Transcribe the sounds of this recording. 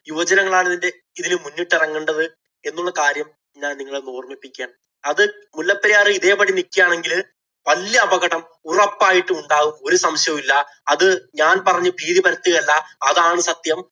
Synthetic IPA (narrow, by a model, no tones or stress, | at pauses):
juʋɐd͡ʑɐnɐŋːɐɭaːɭɐðinde̞ | iðinɨmunːuʈːirɐŋːuɳɖɐðɨ | e̞nːuɭːɐkaːɾjɐm | ɲaːnniŋːɐɭenoːrmipːikʲːaːɳ | ɐðɨmulːɐpːɐɾijaːrɨiðe̞ːpɐɽinikʲːijaːɳe̞ŋɡil | ʋɐljɐːbɐɣɐɽɐm | urɐpːaːjiʈːɨuɳɖaːɣumo̞ɾusɐmɕjɐmilːɐ | ɐðɨɲaːnpɐrɐɲːɨbiːðipɐɾɐt̪ːiɣɐlːɐːðaːɳɨsɐt̪jɐm